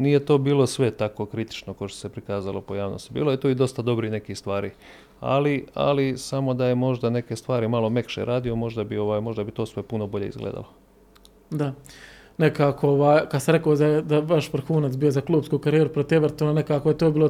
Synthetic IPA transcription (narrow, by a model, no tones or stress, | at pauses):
nijet̪o̞ːbiːlˠo̞sʋe̞t̪akokɾit̪i̥t͡ʃnokoʃt̪osepɾikaːzalopo̞jaːʋnost̪ibḭːloet̪oːid̪o̞st̪ad̪o̞bɾine̞kist̪ʋaːɾi | a̰lia̰lisamo̞d̪aje̞mo̞ʒd̪ane̞kest̪ʋaːɾimalˠo̞me̞kʃḛɾʔaːd̪io̞mo̞ʒd̪abio̞ʋaːjmo̞ʒd̪abit̪o̞ːsʋe̞puno̞bo̞ʎeḭzɡlḛːd̪a̰lˠo | d̪a | nekaːkooʋaːjkad̪saɾe̞koːzad̪aʋaʃʋɾ̩xuːnat̪sbiːozaklˠuːbskukaɾijeɾupɾot̪eʋeɾt̪onane̞kaːkojet̪oːbiːlo